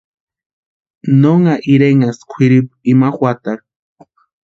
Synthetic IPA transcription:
noŋaʔiɾeŋaskʷʰiɾip̚imaxwʷat̪a

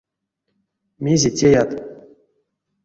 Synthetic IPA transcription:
mʲezʲetʲejat̪

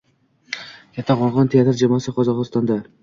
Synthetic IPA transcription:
kʰʲat̪ːɑqɒlˠʁɑnt̪ʰeat̪ɾd͡ʒamɑsɯqʰɒzɒʁɨst̪ɑnd̪ɑ

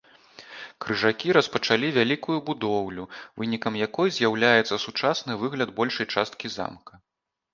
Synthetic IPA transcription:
kɾɨʐakʲiɾɐspɐt͡ʂalʲivʲalʲikujubud̪ɔwlʲuvɨnʲikɐmjakɔjzʲjawlʲajɛt̪sːɐsut͡ʂasnɨvɨɣlʲɐd̪̚bɔlʲʂɐjt͡ʂast̪̚kʲiza̰mkɐ

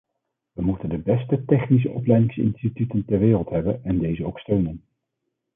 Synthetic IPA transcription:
ʋəmutəndəbɛstətɛχnis̬əʔɔplɛjdɪŋsɪ̰nstitytəntɛɹʋɪːrəlˠtɦɛbənɛndejzəowkstøɥnən

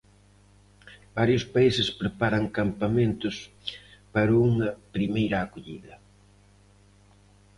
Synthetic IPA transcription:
baɾjʊspaisɪspɾepaɾɐŋkampamẽnt̪ʊs | paɾɐuŋɐpɾimejɾɐːkoʎiðɐ

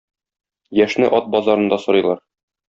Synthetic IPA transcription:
jæʃnɘʔɒt̪̚bɒzɑɾɤ̆nd̪ɑsŏɾɤ̆jlˠɑɾ

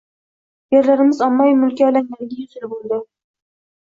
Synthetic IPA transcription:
jeɾlaɾɪmɪzɒmːajmʊlkʲalaŋanɪɡʲajʊzɪlbolˠd̪ɪ

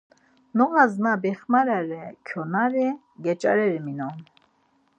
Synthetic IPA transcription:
nɔɣaznabɛχmaɾɛɾɛkʰjɔnaɾi | ɡɛt͡ʃʼa̰ɾɛɾiminɔn

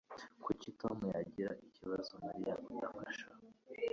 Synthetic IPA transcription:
kucitomujaɟiɾaʔiciβazomaɾijakujamaʃa

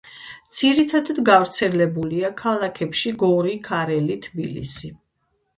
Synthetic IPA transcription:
d̪z̥iɾit̪ʰad̪ad̪ɡavɾt̪sʰɛlɛbuliakʰalˠakʰɛpʃiɡɔɾikʰaɾɛlit̪ʰbilḭsi

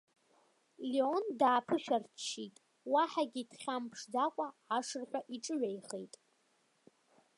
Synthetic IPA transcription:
liondaːpʰɨʃᶣart͡ʃʰːitʼ | waħaɡʲitʰχʲampʰʂdakʷʼaaʂɨrħʷᶣaʔiʈ͡ʂʼɨɥʷᶣajχḛjtʼ

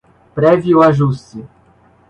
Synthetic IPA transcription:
pɾɛviʊaʒusɪ

